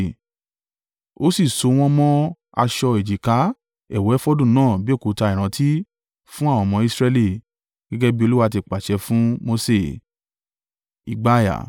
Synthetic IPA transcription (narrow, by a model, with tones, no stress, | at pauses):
o˨˦si˦˨so˧˦w̃ɔ̃˧mɔ̃˦ | a̰˧ʃɔ˧e˨d͡ʒi˨ka˨˦ | ɛ˨wɛ˨˦ɛ˦fo˦dũ˦˨nãː˦˨bi˦o˦˨ko˨˦ta˧i˨ɾ̃ã˨˦tʰi˦ | fũ˦a˦˨wɔ̃˨˧˨mɔ̃˧i˧sɾɛ˧li˦˨ | ɡ̥ɛ˦ɡɛ˦bi˦o˧lu˦wa˧t̬i˧˨k͡pa˨ʃɛ˧fũ˦mo˧se˦˨ | ḭ˨ɡ͡ba˦˨ja̰˨